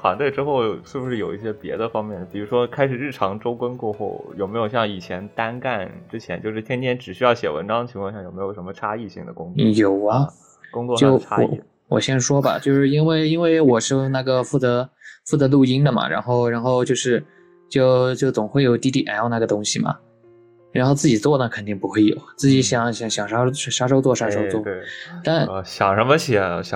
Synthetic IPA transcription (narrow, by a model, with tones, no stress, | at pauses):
t̪wa̰˧˥nt̪we˥˩ɪʈ͡ʂɻ̩˥xo˥˩ʊʂɻ̩˥˩bu˧˥ʂɻ̩˥˩jo˨˩ʊi˥˩ɕjɛ˥pjɛ̰˧˥d̪ə˧fɑ˥ŋmjɛ˥˩n˩pi˨˩ɻu˧˥ʂwɔ˥kʰa˥ɪʂɻ̩˨˩ɻ̩˥˩ʈ͡ʂʰɑ˧˥ŋʈ͡ʂo˥ʊkə˥nkwɔ˥˧xṵ˥˩ʊjo˨˩me˧˥ɪjo˨˩ʊɕjɑ˥˩ŋi˨˩t͡ɕʰjɛ˧˥nt̪a˥nka˥˩nʈ͡ʂɻ̩˥t͡ɕʰjɛ̰˧˥nt͡ɕjʂɻ̩˥˩t̪ʰjɛ˥nt̪ʰjɛ˥nʈ͡ʂɻ̩˨˩ɕy˥jɑ˥˩ʊɕjɛ̰˨˩wə̰˧˥nʈ͡ʂɑ˥ŋd̪ə˩t͡ɕʰi˧˥ŋʰkwɑ˥˧ŋɕjɑ˥˩jo˨˩ʊme˧˥ɪo˨˩ʂə˧˥mə˧ʈ͡ʂʰa˥i˥˩ɕḭ˧˥ŋd̪ə̰˦kʊ˥ŋt͡sjo˨˩ʊɐ˦ | kʊ˥ŋt͡sɔ˥˧t͡ɕjo˥˩ʊʈ͡ʂʰa˥ɔ̰˧˥˩ | wɔ̰˨˩ɕjɛ˥nʂwɔ˥bɐ̰˨˩t͡ɕjo˥˧ʂɻ̩˥˩i˥nwe˥˩ɪi˥nwe˥˩ɪwɔ˨˩ʂɻ̩˥˧na˥˩ɡə˩fu˥˩t͡sɤ˧˥fu˥˩t͡sɤ˧˥lu˥˩i˥ŋd̪ə˨mɐ̰˩ɻa̰˧˥nxo˥˧ʊɻa˧˥nxo˥˧ʊt͡ɕjo˥˧ʊʂɻ̩˥˧ | t͡ɕjo˥˧˩ʊt͡ɕjo˥˩ʊt͡sʊ˨˩ŋxwe˥˩ɪjo˨˩ʊt̪i˥t̪i˥˩ʔa˧˥jɑ˥˧na˥˩ɡə˩t̪ʊ˥ŋɕi˨mɐ̰˩ | ɻa˧˥nxo˥˧ʊt͡sɹ̩˥˩t͡ɕi˨˩t͡swɔ˥˩nə˧˩kʰə˨˩nt̪i˥˩ŋpu˧˥xwɪjo̰˨˩ʊt͡sɹ̩˥˩t͡ɕi˧˥ɕjɑ˨˩ŋɕjɑ˧˩ŋɕjɑ˨˩ŋʂa˥ʂa˥ʂ̬o˥ʊt͡swɔ˥˩ʂa˥ʂo˥ʊt͡swɔ˥˩t̪a˥˩nɕjɑ˨˩ŋʂə˧˥mə˧ɕjɛ˨˩ɕ